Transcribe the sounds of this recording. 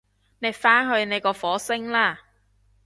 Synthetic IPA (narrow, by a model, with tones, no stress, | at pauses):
ne˨˧jfaː˥nɦɵ˧ɥne˨˧jkɔː˧fɔː˨˥sɪ˥ŋlaː˥˩